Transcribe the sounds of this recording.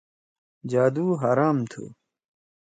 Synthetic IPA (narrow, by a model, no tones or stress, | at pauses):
d͡ʑaːd̪uːɦaɾaːmt̪ʰṵ